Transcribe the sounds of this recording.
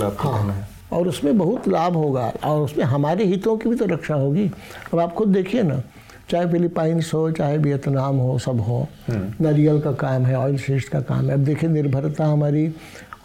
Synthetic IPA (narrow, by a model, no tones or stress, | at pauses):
ahãɦɛ | ɔːɾʊsmẽbɐɦʊt̪laːbʱɦoːɡa̰ɔːɾʊsmẽɦɐmaːɾeɦit̪õkibʱit̪oɾɐkʃaɦoːɡiːɐbaːpxʊd̪̚d̪eːkʰiena̰ | t͡ʃaːɦefɪlɪpaːɪnsɦot͡ʃaːɦebiət̪naːmɦosɐbɦo | nɐɾijəlkakaːmɦɛɔːɪlsɪsʈkaka̰ːmɦɛɐb̚d̪eːkʰienɪɾbʱəɾt̪aɦɐmaːɾi